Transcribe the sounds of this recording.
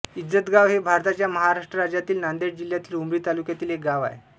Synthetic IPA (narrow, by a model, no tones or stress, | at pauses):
id͡zət̪ɡaʋɦebʱaɾt̪at͡ɕjaməɦaɾaʂʈɾəɾad͡ʑat̪iːlnand̪eʈd͡ʑil̤jat̪iːlumɾiːt̪alukjat̪iːlek̚ɡaʋa̰ḛ